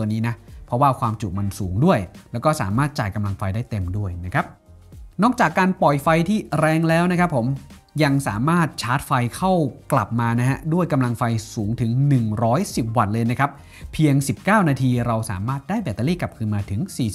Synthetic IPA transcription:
t̪u˧niː˦˥na˦˥pʰɾɔ˦˥waː˥˩kʰwaː˧mt͡ɕu˨˩ma˧nsuː˩˦ŋdu˥˩əjlɛː˦˥wkɔː˥˩sa̰ː˩˦maː˥˩t̪̚t͡ɕa̰ː˨˩jka˧mla˧ŋfa˧jdaː˥˩jt̪e˧mdu˥˩əjna˦˥kʰa˦˥p̚ | nɔː˦˥˩k̚t͡ɕaː˨˩kːaː˧npɔ˨˩jfa˧jt̪ʰiː˥˩ɾɛː˧ŋlɛː˦˥wna˦˥kʰɾa˦˥pʰːo˩˦m | ja˧ŋsaː˩˦maː˥˩t̪̚t͡ɕʰaː˦˥t̪̚fa˧jkʰa˥˩wkla̰˨˩p̚maː˧na˦˥ɦɛ˦˥du˥˩əjka˧mla˧ŋfa˧jsuː˩˦ŋt̪ʰɯ˩˦ŋnɯ˨˩ŋɾɔː˦˥jsi˨˩p̚wa˨˩t̪̚lɤː˧jna˦˥kʰa˦˥p̚ʰ | i˧əŋsi˨˩p̚kaː˥˩wnaː˧t̪ʰiː˧ɾa˧wsa̰ː˩˦maː˥˩t̪̚daː˥˩jbɛː˨˩t̪ːaː˧liː˥˩ka˨˩p̚kʰɯː˧nmaː˧t̪ʰɯ˩˦ŋsiː˨˩

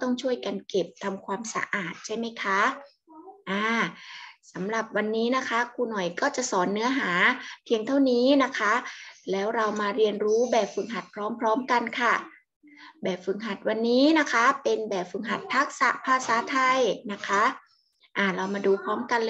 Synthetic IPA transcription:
t̪ɔ˥˩ŋt͡ɕʰu˥˩əjka˧nke˨˩p̚t̪ʰa˧mkʰwaː˧msa̰˧ʔaː˨˩t̪̚t͡ɕʰa˥˩jma˦˥jkʰa˦˥ | ʔaː˧˩ | sa˩˦mɾa˨˩p̚wa˧nːiː˦˥na˦˥kʰa˦˥kʰuː˧nɔ˨˩jkɔː˥˩t͡ɕa˨˩ʔsɔː˩˦nːɯ˦˥ɐɦaː˩˦pʰi˧əŋt̪ʰa˥˩wniː˦˥na˦˥kʰa˦˥lɛː˦˥wɾa˧wmaː˧ɾi˧ənɾuː˦˥bɛː˨˩p̚fɯ˨˩ŋɦa˨˩t̪̚pʰɾɔː˦˥mpʰɾɔː˦˥mka˧nkʰa˥˩ | bɛː˨˩p̚fɯ˨˩ŋɦa˨˩t̪̚wa˧nːiː˦˥na˦˥kʰa˦˥pe˧nbɛː˨˩p̚fɯ˨˩ŋɦa˨˩t̪̚pʰa˦˥k̚sa̰˨˩ʔpʰaː˧saː˨˩˦t̪ʰa˧jna˦˥kʰa˦˥ | ʔaː˧˩ɾa˧wmaː˧duː˧pʰɾɔː˦˥mka˧nl

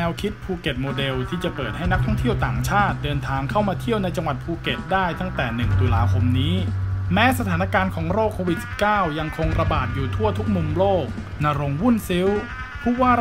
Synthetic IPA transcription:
ɛː˧wkʰi˦˥t̪̚pʰuː˧ke˨˩t̪̚moː˧de˧wt̪ʰiː˥˩t͡ɕa˨˩pɤː˨˩t̪̚ha˥˩jna˦˥k̚t̪ʰɔ˥˩ŋt̪ʰi˥˩əwt̪aː˨˩ŋt͡ɕʰaː˥˩t̪̚dɤː˧nt̪ʰaː˧ŋkʰa˥˩wmaː˧t̪ʰi˥˩əwna˧jt͡ɕa˧ŋwa˨˩t̪̚pʰuː˧ke˨˩t̪̚daː˥˩jt̪a˥˩ŋt̪ɛː˨˩nɯ˨˩ŋt̪u˧laː˧kʰo˧mniː˦˥mɛː˦˥sa˧t̪ʰaː˩˦na˧˥˩kaː˧nkʰɔː˩˦ŋɾoː˥˩kʰːoː˧wi˨˩t̪̚si̥˨˩p̚kaː˥˩wja˧ŋkʰo˧ŋɾa˧baː˨˩t̪̚juː˨˩t̪ʰu˥˩ɐt̪ʰu˦˥k̚mu˧mloː˥˩k̚ | naː˧ɾo˧ŋwu˥˩nsi˦˥w | pʰuː˥˩waː˥˩

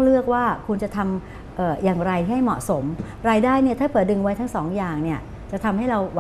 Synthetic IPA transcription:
lɯ˥˩ək̚waː˥˩kʰu˧nt͡ɕa˨˩t̪ʰa˧m | ʔɤː˨˩jaː˨˩ŋɾa˧jtʰiː˥˩a˥˩jmɔ̰˨˩so˩˦m | ɾaː˧jdaː˥˩jni˥˩ɐt̪ʰaː˥˩pʰɯː˨˦dɯ˧ŋwa˦˥jt̪ʰa˦˥ŋsɔː˩˦ŋjaː˨˩ŋni˥˩ɐ | t͡ɕa˨˩ʔt̪ʰa˧mha˥˩jɾa˧wwa˦

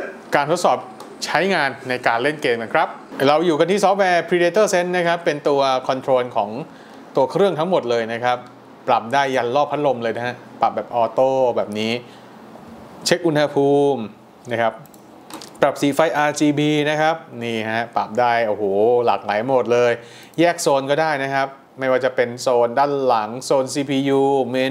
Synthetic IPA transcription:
kaː˧t̪ʰo˦˥t̪̚sɔː˨˩p̚ | t͡ɕʰa˦˥jŋaː˧nːa˧jkaː˧nle˥˩nkeː˧ma˦˥kʰɾa˦˥p̚ɾa˧wjuː˨˩ka˧t̪ʰiː˥˩sɔ˦˥p̚wɛː˧pʰɾiː˧deː˧t̪ɤː˥˩se˦˥nːa˦˥kʰa˦˥pːe˧nt̪u˧ɐkʰɔ˧nt̪ʰɾoː˧nkʰɔː˩˦ŋ | t̪u˧ɐkʰɾɯ˥˩əŋt̪ʰa˦˥ŋmo˨˩t̪̚lɤː˧jna˦˥kʰɾa˦˥p̚ː | ɾa˨˩p̚daː˥˩jːa˧nlɔː˥˩pʰa˦˥t̪̚lo˧mlɤː˧jna˦˥ha˦˥ʔpa˨˩p̚bɛː˨˩p̚ʔɔː˧t̪oː˥˩bɛː˨˩p̚niː˦˥ | t͡ɕʰe˦˥k̚ʔu˧nha˧pʰuː˧m | na˦˥kʰa˦˥p̚ | pɾa˨˩p̚siː˨˦fa˧jʔaː˧t͡ɕiː˧biː˧na˦˥kʰa˦˥p̚niː˥˩a˦˥ɦa˦˥pa˨˩p̚daː˥˩jʔo˧˩hoː˨˩laː˨˩k̚laː˩˦jmo˨˩t̪̚lɤː˧j | jɛː˥˩k̚soː˧nkɔː˥˩daː˥˩jna˦˥kʰa˦˥p̚ | ma˥˩jwaː˥˩t͡ɕa˨˩pe˧nsoː˧ndaː˥˩nla˩˦ŋsoː˧nsiː˧pʰiː˧juː˧me˧

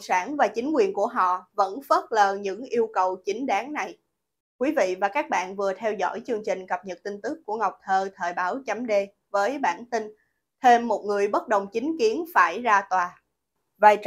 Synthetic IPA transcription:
saː˧˩nvaː˨˩t͡ɕï˨˦ŋ̟kwi˨˩ənku˧˩əɦɔ̰˧˨və̰˧˥nfə˦˥t̚ləː˨˩ɲɨ̰˧˥ŋʔi˧əwkə˨˩wt͡ɕi˨˦ŋ̟ɗaː˨˦ŋna˨˩j | kwi˨˦vḭ˧˨vaː˨˩kaː˦˥k̚ɓa̰ː˧˨nvɨ˨˩ət̪ʰɛ˧wzɔ̰˧˥jt͡ɕɨ˧əŋt͡ɕï˨˩ŋ̟kə˨˩p̚ɲə˨˩t̚t̪i˧nt̪ɨ˦˥kːu˧˩əŋa˨˩wk͡p̚t̪ʰəː˧˩t̪ʰəː˨˩jɓaː˨˦wt͡ɕa˨˦mɗe˧ | vəː˨˦jɓaː˧˩nt̪ï˧ŋ | t̪ʰe˧mːo˨˩t̚ŋɨ˨˩əjɓə˦˥t̚ɗə˨˩wŋ͡mt͡ɕï˨˦ŋ̟ki˨˦ənfaː˧˩jzaː˧t̪waː˨˩ | vaː˨˩j

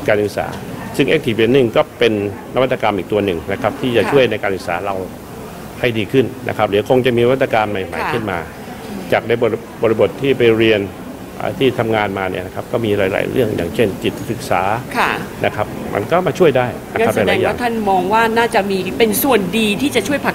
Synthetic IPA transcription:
kaː˧nʔɯ˨˩k̚sa̰ː˩˦sɯ˥˩ŋʔeː˦˥k̚t̪ʰiː˨˩be˨˩˦nːɯ˨˩ŋkɔː˥˩pe˧nː | a˦wt̪ːa˧kaː˧mʔiː˨˩k̚t̪u˧ɐnɯ˨˩ŋna˦˥kʰa˦˥p̚t̪ʰiː˥˩t͡ɕa˨˩t͡ɕu˥˩əjna˧jkaː˧nsɯ˨˩sa̰ː˩˦ɾa˧w | ha˥˩jdiː˧kʰɯ˥˩nna̰˦˥kʰa˦˥p̚lɯː˩˦kʰo˧ŋt͡ɕa˨˩ʔmiː˧a˦˥t̪ːa˧kaː˧nma˨˩jma̰˨˦jkʰɯ˥˩nma̰ː˧ | t͡ɕaː˨˩k̚daː˧˥˩jbo˨˩ | bɔ˨˩ɾi˧bo˨˩t̪ʰːiː˥˩pa˧jɾi˧ən | ʔa̰ː˧˩t̪ʰiː˥˩t̪ʰa˧mŋaː˧nmaː˧nḭ˥˩ɐna˦˥kʰa˦˥p̚kɔː˥˩miː˧ɾaː˨˦jla̰ː˨˦jɾɯ̰˥˩əŋja̰ː˨˩ŋt͡ɕʰe˥˩nt͡ɕi˨˩t̪̚sɯ˨˩k̚saː˩˦a˥˩nʔa̰˦˥kʰa˦˥p̚mʔa̰˧nkɔː˥˩maː˧t͡ɕʰu˥˩əjdaː˥˩jna˦ka˦˥a˧jlɛː˧˦jaːaː˥˨˩ŋt̪ʰa˥˩nmɔː˧ŋwaː˥˩naː˥˩t͡ɕa˨˩miː˧pe˧nsu˨˩əndiː˧t̪ʰiː˥˩t͡ɕa˨˩t͡ɕʰu˥˩əjpʰa˨˩

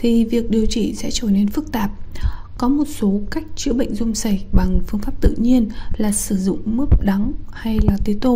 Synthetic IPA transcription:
t̪ʰi˨˩vi˨˩ək̚ɗi˨˩əwt͡ɕḭ˧˩sɛ̰˧˥t͡ɕə˧˩ne˧nfɨ˦˥k̚t̪aː˨˩p̚ | kɔ˨˦mo˨˩t̚so˨˦ka˦˥jk̟̚t͡ɕɨ̰˧˥əɓə̰˧˨jŋ̟zʊ˧ŋ͡msa˧˩jɓa˨˩ŋfɨ˧əŋfaː˦˥p̚t̪ɨ̰˧˨ɲi˧ənlaː˨˩sɨ˧˩zʊ̰˧˨ŋ͡mmɨ˦˥p̚ɗa˨˦ŋha˧jlaː˨˩t̪e˨˦t̪o˧˩

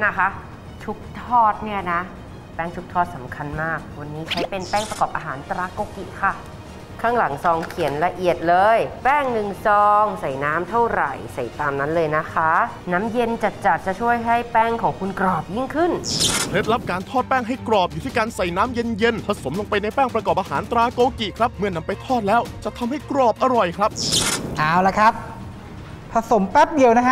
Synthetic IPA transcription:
na˦˥˩kʰa˦˥ | t͡ɕʰu˦˥k̚t̪ʰɔː˥˩t̪̚ni˥˩ɐna˦˥ | pɛː˥˩ŋt͡ɕʰu˦˥k̚t̪ʰɔː˥˩t̪̚sa˩˦mkʰa˧nmaː˥˩k̚wa˧nːiː˦˥t͡ɕʰa˦˥jpe˧npɛː˥˩ŋpɾa˧kɔː˨˩p̚ʔaː˧ɦaː˩˦nt̪ɾaː˦˥ko˧kḭ˨˩kʰa˥˩ | kʰaː˥˩ŋla˩˦ŋsɔː˧ŋkʰi˨˩˦ənɾa˧ʔi˨˩ət̪̚lɤː˧jpɛː˥˩ŋnɯ˧ŋsɔː˧ŋsa˨˩jnaː˦˥mt̪ʰa˥˩wɾa̰˨˩jsa˨˩jt̪aː˧mna˦˥nlɤː˧jna˦˥kʰa˦˥ | naː˦˥mje˧nt͡ɕa˨˩t͡ɕa˨˩t̪̚t͡ɕa˨˩t͡ɕʰu˥˩əjɦa˥˩jpɛː˥˩ŋkʰɔː˩˦ŋkʰu˧nkɾɔː˨˩p̚ji˥˩ŋkʰɯ˥˩npʰɾe˦˥p̚la˦˥p̚kaː˧nt̪ʰɔː˥˩t̪̚pɛː˥˩ŋɦa˥˩jkɾɔː˨˩p̚juː˨˩iː˥˩kaː˧nsa˨˩jnaː˦˥mje˧nje˧nt̪ʰa˧so˩˦mlo˧ŋpa˧jna˧jpɛː˥˩ŋpɾa˧kɔː˨˩p̚ʔaː˧ɦaː˩˦nt̪ɾaː˧˥koː˧ki˨˩kʰɾa˦˥p̚mɯ˥˩ɐna˧mpa˧jt̪ʰɔː˥˩t̪̚lɛː˦˥wt͡ɕa˨˩t̪ʰa˧mha˥˩jkɾɔː˨˩p̚ʔa˧ɾɔ˨˩jkʰɾa˦˥p̚ʔaː˧˩wla˧˦˩kʰa˦˥p̚ | pʰa˧so˨˩˦mpɛ˦˥p̚di˧əwna˦˥kʰa˦

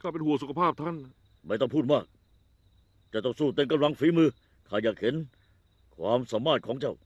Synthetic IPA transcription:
kʰaː˥˩pe˧nhu˨˩˦əsu˨˦kʰa˧pʰaː˥˩p̚t̪ʰa˥˩n | ma˥˩jt̪ɔ˥˩ŋpʰuː˥˩t̪̚maː˥˩k̚ | t͡ɕaː˧˩t̪ɔ˥˩suː˧˩t̪e˧nka˧mla˨˧˦ŋfiː˨˦˥mɯː˧ | k̪ʰaː˧˩jaː˨˩k̚he˨˦n | kʰwaː˧msa˨˦maː˥˩t̪̚kʰɔː˨˦ŋt͡ɕa˥˩w

